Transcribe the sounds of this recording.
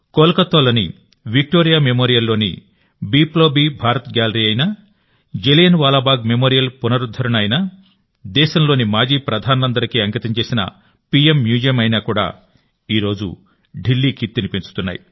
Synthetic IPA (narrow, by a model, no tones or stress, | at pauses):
koːlɐkɐt̪ːoːlɐːni | ʋik̚ʈoːɾijaːmemoːɾijɐlːo̞ːnḭ | biːploːbiːbʱaːɾɐt̪ɡʲaːlɐɾiːɐjnɐ | d͡ʒelijɐnʋaːlaːbaːɡ̚memoːɾijɐlpunɐɾud̪ʱːɐɾɐɳɐjnɐ | d̪ɛːʃɐmlo̞ːnimaːd͡ʒiːpɾɐd̪ʱaːnɐɐnd̪ɐɾɐkiɐŋkit̪ɐmt͡ʃe̞ːsinɐ̰ | piemːjuːd͡ʒijɐmɐjnaːkuːɽa̰ː | iːɾo̞ːd͡ʒṵ | ɖilːiːkʰit̪ːinipit͡ʃu̥t̪unːa̰ːjḭ